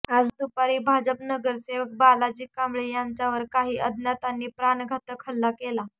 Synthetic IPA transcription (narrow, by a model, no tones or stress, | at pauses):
ad͡zd̪upaɾiːbʱad͡ʑəpnəɡəɾseʋək̚balad͡ʑiːkːamɭejaɲt͡ɕjaʋəɾkaɦiːʔəd̪ʱnjat̪anːiːpɾanɡʱat̪əkʰəlːakela